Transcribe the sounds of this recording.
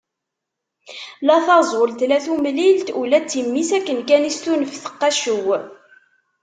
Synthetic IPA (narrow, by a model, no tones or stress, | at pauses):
læθɑzˤəlt̪læθumlilt̪ulæt͡sːimːisækːənkænist̪unəfθə̥qːɑʃuw